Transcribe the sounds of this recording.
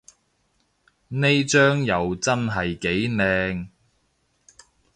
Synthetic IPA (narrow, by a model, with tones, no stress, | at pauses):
ne˥jt͡ʃœː˥ŋjɐ˨wt͡sɐ˥nɦɐ˨jke˨˥jnɛː˧ŋ